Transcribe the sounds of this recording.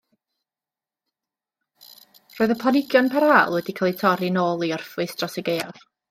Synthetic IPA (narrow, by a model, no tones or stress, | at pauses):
roːɨðəpʰˠanɪɡjɔnpʰaɾaːlˠwɛdikʰalˠitʰɔɾinoːlˠiɔrfɨstrɔsɛɡejɔr